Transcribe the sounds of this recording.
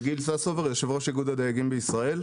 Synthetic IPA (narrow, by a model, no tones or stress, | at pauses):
ɡilsasoveʁjeʃevʁoʃaɡud̪ad̪ajaɡimbeisʁae̞l